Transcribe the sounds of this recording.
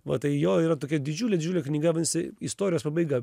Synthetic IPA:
ʋɐ̰t̪ɐɪjoːiːɾɐt̪oːkʲɛd̪ʲɪd͡ʒʲuːlʲed̪ʲɪd͡ʒʲuːlʲɛknʲɪɡɐʋʲɐnʲsʲɪist̪oːɾʲɪjoːspɐbɐɪɡɐ

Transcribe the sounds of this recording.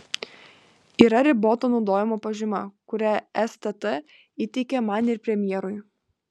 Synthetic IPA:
iːɾɐɾʲɪboːt̪oːnɒʊd̪oːjɪmoːpɐʒʲɪmɐkʊɾʲæɛst̪ɛt̪ɛ | it̪ʲɛɪkʲɛmɐnɪɾpʲɾʲɛmʲjɛːɾʊj

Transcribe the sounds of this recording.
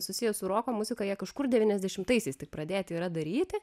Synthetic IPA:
sʊsʲɪjɛsʊɾoːkoːmʊzʲɪkɐjiɛkɐʃkʊrd̪ʲɛʋʲiːnʲɛzʲd̪ʲɛʃʲɪmt̪ɐɪsʲɛɪst̪ʲɪk̚pɾɐd̪ʲeːt̪ʲiːɾɐd̪ɐɾʲiːt̪ʲɪ

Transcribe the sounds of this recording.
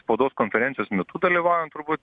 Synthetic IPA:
spoːd̪oːskonfʲɛɾʲɛnʲɪjoːsmʲɛt̪ʊd̪ɐlʲiʋɑːʊʋʲɛnt̪ʊɾbuːt̪ʲ

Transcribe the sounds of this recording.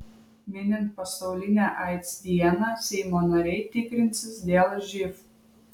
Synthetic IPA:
mʲɪnʲɪnt̪̚pɐsɐʊlʲɪnʲæʔɑɪt̪sd̪ʲiɛnɑsʲɛɪmoːnɐɾʲɛɪt̪ʲɪkɾʲɪnʲsʲɪsd̪ʲeːlˠɐʒʲɪf

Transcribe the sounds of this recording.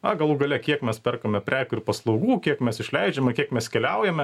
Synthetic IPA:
ɐɡɐlˠuːɡɐlʲɛkʲiɛkmʲɛspʲɛrkomʲɛpʲɾʲæːkʊɪɾpɐslˠɒʊɡuːkʲiɛkmʲɛsɪʃʲlʲɛɪd͡ʒʲɛmɐkʲiɛkmʲɛskʲɛlʲɛʊjɛmʲɛ

